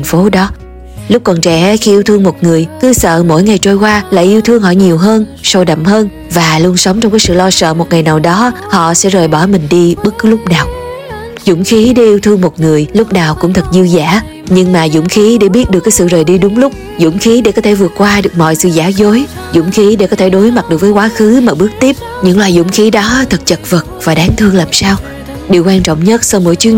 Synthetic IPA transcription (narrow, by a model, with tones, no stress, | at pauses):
t̪ʰa˨˩ŋ̟fo˨˦ɗɔ˨˦ | lʊ˦˥k͡p̚kɔ˨˩nt͡ɕɛ̰˧˩˦xi˧ʔi˧wt̪ʰɨ˧əŋmo˨˩t̚ŋɨ˨˩əjkɨ˨˦sə̰ː˧˨mo̰˧˥jŋa˨˩jt͡ɕo˧jkwaː˧la̰ː˧˨jʔi˧wt̪ʰɨ˧əŋhɔ̰˧˨ɲi˨˩əwɦəː˧nso˧wɗə̰˧˨mhəː˧n | vaː˨˩lu˧ənsə˨˦wŋ͡mt͡ɕɔ˧wŋ͡mkaː˨˦jsɨ̰˧˨lɔ˧sə̰ː˧˨mo˨˩t̚ŋa˨˩jnaː˨˩wɗɔ˨˦ | hɔ̰˧˨sɛ̰˧˥zəː˨˩jɓɔ˧˩mï˨˩ŋ̟ɗi˧ɓə˦˥kːɨ˨˦lʊ˦˥k͡p̚naː˨˩w | zʊ̰˧˥ŋ͡mxi˨˦ɗa˧ʔi˧əwt̪ʰɨ˧əŋmo˨˩t̚ŋɨ˨˩əjlʊ˦˥k͡p̚naː˨˩wkʊ̰˧˥ŋ͡mt̪ʰə˨˩k̚zi˧wzaː˧˥ | ɲɨ˧ŋmaː˨˩zʊ̰˧˥ŋ͡mxi˨˦ɗe˧˩ɓi˦˥ət̚ɗɨ˨˩əkːjsɨ̰˧˨zəː˨˩jɗi˧ɗʊ˨˦ŋ͡mlʊ˦˥k͡p̚ | zʊ̰˧˩˥ŋ͡mxi˨˦ɗe˧˩kɔ˨˦t̪ʰe˧˩vɨ˨˩ət̚kːwaː˧ɗɨ˨˩ək̚mɔ̰˧˨jsɨ̰˧˨zaː˧˦zo˨˦j | zʊ̰˧˥ŋ͡mxi˨˦ɗe˧˩kɔ˨˦t̪ʰe˧˩ɗo˨˦jma˨˩t̚ɗɨ˨˩ək̚vəː˨˦jkwaː˨˦xɨ˨˦maː˨˩ɓɨ˦˥ək̚t̪i˦˥əp̚ | ɲɨ̰˧˥ŋlwaː˨˩jzʊ̰˧˥ŋ͡mxi˨˦ɗɔ˨˦t̪ʰə˨˩k̚t͡ɕə˨˩t̚və˨˩t̚vaː˨˩ɗaː˨˦ŋt̪ʰɨ˧əŋlaː˨˩msaː˧w | ɗi˨˩əwkwaː˧nt͡ɕɔ̰˧˨wŋ͡mɲə˦˥t̚sa˧wmo̰˧˥˨jt͡ɕwi˨˦ə